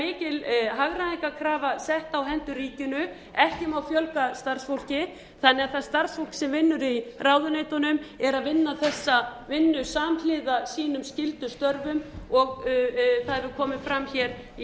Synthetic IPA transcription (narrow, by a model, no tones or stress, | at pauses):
ɪːcɪlɦaɣɾanejkakʰɾaːvasɛht̪awɦɛnt̪ʏɾiːcʏnʏ | ɛhcɪmawfjœlkast̪arsfowl̥cɪ | θanːɛaðθaðst̪aɾsfowl̥csɛmvɪnːʏɾiraːwðʏneːjt̪ɔnʏmɛɾaðvɪnːaθɛsːavɪnːʏsaːmlɪðasiːnʏmscɪlt̪ʏst̪œɾvʏmɔɣθaðvɪkʰɔːmɪmfɾamçɛɾ